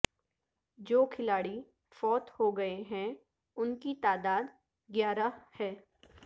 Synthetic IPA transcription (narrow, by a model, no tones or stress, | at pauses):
d͡ʒoːkʰɪlaːɽi | fɔːt̪hoɡɐeɦɛ̃ | ʊnkit̪aːd̪aːd̪ | ɡjaːɾahɛː